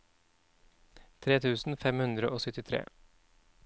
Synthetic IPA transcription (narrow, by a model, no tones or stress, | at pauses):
t̪ʰɾeːt̪ʰʉːsn̩fɛmhʉnd̪ɾəʔoːsœt̪ɪt̪ʰɾḛː